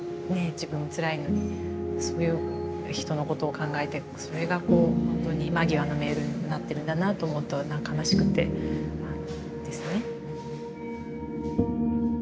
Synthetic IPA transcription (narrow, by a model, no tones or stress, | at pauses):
ne̞d͡ʑibɯ̟̃ɰ̃ot͡sɨɾaino̞ɲ̟iso̞ːjɯ̟ː | çi̥t̪o̞no̞ko̞t̪o̞ːkãŋɡae̞t̪e̞ | so̞ɾe̞ɡako̞ːhõ̞nt̪o̞ɲ̟imaɡʲiβano̞me̞ːɾɯ̟nat̪ːe̞ɾɯ̟nd̪anaːt̪o̞ːmot̪ːonãŋkanaɕi̥kɯ̟t̪ːe̞̰ano | d̪̥e̞sɨne̞